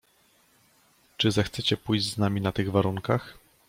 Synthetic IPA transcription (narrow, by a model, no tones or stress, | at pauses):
t͡ʂɘzɛxt̪sɛt͡ɕɛpujʑd͡ʑznamʲinat̪ɘɣvaɾuŋkax